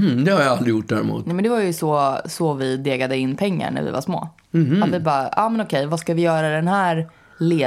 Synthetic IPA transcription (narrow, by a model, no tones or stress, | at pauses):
d̪ɛhaɾjaald̪ɾɪjʊʈ̚ːd̪æːɾɪmṵːt̪nuːmɛnd̪ɛvajɵsɔsɔvɪd̪eːɡad̪əɪnːpʰɛŋːa̰ɳæ̰ɾvɪ̰va̰ʂmo̰ː | hat̪vɪbɑːɑ̰ːmɛnɔkʰɛjvaskavɪjœːɾad̪ɛnhæːɾ | leː